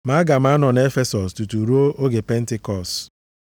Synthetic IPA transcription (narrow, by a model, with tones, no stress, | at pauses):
ma˦ɡa˨m̩˦a˦nɔ˨n˨e˦fe˦sɔ˨stu˨tu˨ɾu˦o˦ʔo˦ɡe˨pe˦n̩˦tɪ˦kɔ˨s